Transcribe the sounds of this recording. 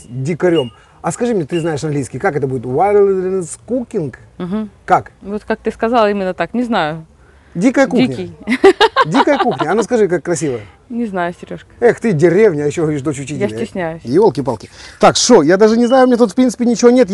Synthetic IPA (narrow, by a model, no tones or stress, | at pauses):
dʲɪkɐɾʲo̞m | ɐskɐʐɨmɲʲet̪ɨznaɪʂɐnɡlʲijskʲɪjkakɛt̪əbudʲɪt̪vajɾlˠʲɪnskukʲɪnkm̩ɦ̩ːakvot̪kak̚t̪ɨskɐzalˠimʲɪnːət̪aknʲɪznajʊ | dʲikəjəkuinʲəɪj | dʲikəjəkuxnʲəɐnoskɐʐɨk̬akːɾɐsʲivəjə | nʲɪznajʊsʲɪɾʲoʂkə̥ɛxt̪ɨdʲɪɾʲevnʲɪɐjɪɕːoxoiʂ̬d̪o̞t͡ɕʊt͡ɕitʲjaɪjɪsʲnʲæjʊsʲɪolˠkʲɪpalˠkʲɪt̪akʂojad̪aʐɨnʲɪznajʊmʲnʲet̪ut̪fpɾʲint̪ɨ̥pʲɪnʲɪt͡ɕɪvo̞nʲet̪